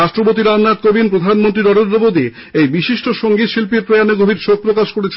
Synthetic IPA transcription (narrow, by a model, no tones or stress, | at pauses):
aʃʈɾobot̪iɾanːad̪̚kobinpɾod̪ʱanmont̪ɾiɾɔɾend̪ɾobod̪i | ejbiʃiʃʈoʃoŋɡit̪ʃilpiɾpɾojaneɡobʱiɾʃok̚pɾokaʃkoɾet͡ɕʰ